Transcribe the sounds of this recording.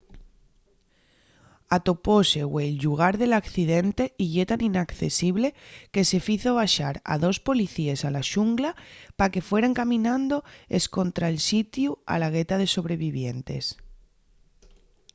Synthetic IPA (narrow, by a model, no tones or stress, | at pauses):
at̪o̞pose̞welʎuɣ̞aɾðe̞lakθiðe̞nt̪e̞iʝe̞t̪aninakθe̞̰siβle̞ke̞se̞fiθo̞βaʃaɾa̰ðo̞spo̞liθiesalaʃuŋɡlapake̞fwe̞ɾaŋkamĩnãnd̪o̞e̞skont̪ɾaelsit̪jua̰laɣ̞e̞t̪aðe̞so̞β̞ɾe̞β̞iβje̞nt̪e̞̰s